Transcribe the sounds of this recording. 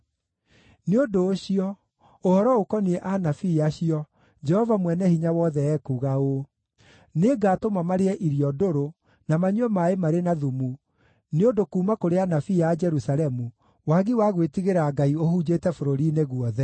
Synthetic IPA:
neodoːɕiɔ | ohɔɾɔokɔniɛʔanafiaɕiɔ | d͡ʒɛhɔvamwɛnɛhiɲawɔðɛɛkuɣao | neɡaːtomamaɾeɛʔiɾiɔdoɾo | namaɲwɛmaemaɾenaðumu | neondokuːmakoɾeanafiad͡ʒɛɾusalɛmu | waɣiwaɣwetiɣeɾaɡaiohud͡ʑetɛfoɾoɾineɣwɔðɛ

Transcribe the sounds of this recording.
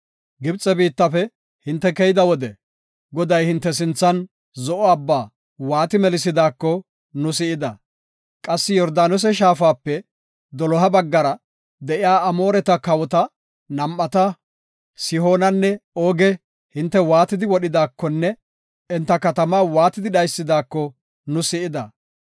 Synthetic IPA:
ɡɪbt͡sʼɛbiːt̪ːɐfɛ | hɪnt̪ːɛkɛjɪd̪ɐwɔd̪ɛ | ɡɔd̪ɐjhɪnt̪ːɛs̬ɪnt͡sːɐn | zɔʔɔɐbːaː | waːt̪ɪmɛlɪs̬ɪd̪aːkːɔ | nʊsɪɪd̪ɐ | kʼɐsːɪjɔɾd̪aːnɔs̬ɛʃaːfaːpːɛ | d̪ɔlɔɦɐbɐɡːɐɾɐ | d̪ɛʔɪjaːɐmo̞ːɾɛt̪ɐkɐwɔt̪ɐ | nɐmʔːɐt̪ɐ | sɪho̞ːnɐnːɛoːɡɛ | hɪnt̪ːɛwaːt̪ɪd̪ɪwɔɗɪd̪aːkːɔnːɛ | ɪnt̪ːɐkɐt̪ɐmaːwaːt̪ɪd̪ɪɗɐjsːɪd̪aːkːɔ | nʊsɪʔɪd̪ɐ

